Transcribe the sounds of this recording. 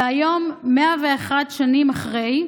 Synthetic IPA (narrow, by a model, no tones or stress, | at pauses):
ajo̞mːeaveːχadʃanimaχʁe̞j